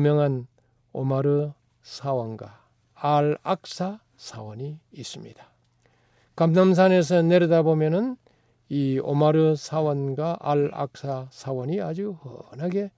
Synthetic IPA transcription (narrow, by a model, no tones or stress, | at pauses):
mjʌŋɦan | omaɾɯ | sʰawʌnɡwaː | ɭak̚s͈a | sʰawʌɲiːs͈ɯmɲid̥ḁ | kamnams̬ʰane̞s̬ʰʌne̞ɾɯdabomjʌnɯn | io̰maɾɯsʰawʌnɡwaʔaɭa̰k̚s͈asʰawʌɲiad͡ʑuhʌ̰naɡe̞